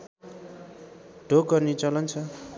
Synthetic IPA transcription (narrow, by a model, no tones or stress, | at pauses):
ɖʱok̚ɡʌrnit͡sʌlʌnt͡sʰʌ